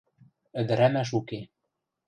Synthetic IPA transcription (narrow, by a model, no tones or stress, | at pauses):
ɘ̆d̪ɘ̆ɾæmæʃ̬uke